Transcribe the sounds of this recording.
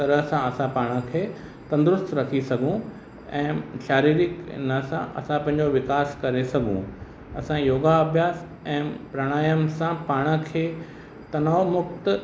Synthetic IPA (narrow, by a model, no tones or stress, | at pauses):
t̪ɐɾəɦsãɐsãpaːɽ̃ə̆kʰeː | t̪ɐ̃nd̪ɾʊst̪ɾɐkʰisɐɡʱũ | ɛ̃ːʃaːɾiːɾɪknəsãʔɐ̰sãpɐ̃ɦɪ̃ɲd͡ʑoʋɪkaːskɐɾesɐɡʱṵ̃ | ɐsãjoːɡaɐbʱjaːs | ɛ̃ːpɾɐɽ̃aːjəmsãpaːɽ̃ə̆kʰeː | t̪ɐnaomʊk̚t̪